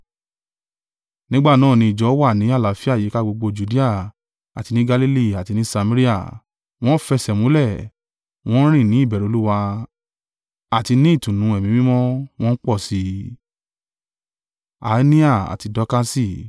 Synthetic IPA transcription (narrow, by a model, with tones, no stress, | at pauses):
nĩ˨˦ɡ͡ba˦˨nãː˦˨nĩ˧i˨d͡ʒɔ˨˦wa˦˨nĩ˨˦a˦˨la˨˦fi˦a˦˨je˨˦ka˦ɡ͡bo˧ɡ͡bo˧d͡ʒu˨di˦a˦˨ | a˨ti˧nĩ˦ɡa˧li˦li˦˨a˨ti˧nĩ˨˦sa˧mã˦ɾi˦a˦˨ | w̃ɔ̃˦fɛ˧sɛ˨mũ˨˦lɛ˦˨ | w̃ɔ̃˦ɾ̃ĩ˦˨nĩ˨˦˨bɛ˨ɾo˨˦lu˦wa˧ | a˨ti˧nĩ˦i˦˨tũ˨nũ˨˦ɛ˨mĩ˨mĩ˦mɔ̃˦w̃ɔ̃˦n̩˦k͡pɔ˦˨si˧˦ | a̰˨˦nĩ˦a˦˨a̰˨ti˧dɔ˦ka˦si˦˨